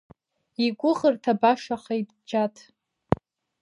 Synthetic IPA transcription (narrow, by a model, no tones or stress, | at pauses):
iɡʷʼʊʁərtʰabaʂaχajd | d͡ʒatʰʼ